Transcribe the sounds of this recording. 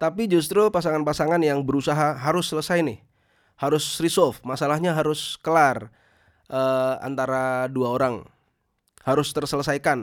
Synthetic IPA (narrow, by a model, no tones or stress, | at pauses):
t̪apid͡ʒust̪ɾupasaŋanpasaŋanjaŋbəɾusaɦaɦaɾʊsːələsajnɪh | haɾʊsrisɔlfmasalahɲaɦaɾʊskəlar | ʔəa̰nt̪aɾaduaoɾaŋ | haɾʊst̪ərsələsajkan